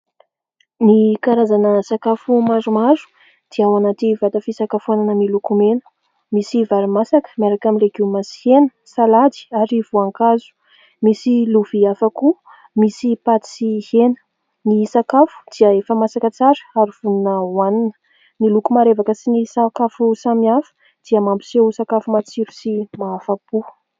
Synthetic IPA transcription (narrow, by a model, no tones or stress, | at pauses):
nikaɾazanəsakafumazumaɾu̥ | d̪̥iawanat̪ivat̪afisakafuananəmilukumenə̥ | misivaɾimasakə̥maɾakaminlekiwmasi̥henə̥ | salad̪i̥aɾiv̥uaŋkazu̥ | misiluviafaku | misipat̪sihenə̥ | nisakafu̥d̪̥iəefəmasakət͡saɾə̥aɾiv̥ununəwaninə̥ | milukumaɾevakəsinisakafusamiafə̥ | d̪̥iəmambi̥seusakafumat͡siɾusimaafapu